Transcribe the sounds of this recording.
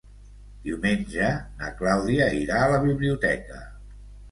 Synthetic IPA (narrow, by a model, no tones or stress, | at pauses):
d̪iuwmenʲʒənə̰klawðiəiɾaːləβiβliut̪ɛ̰kə̰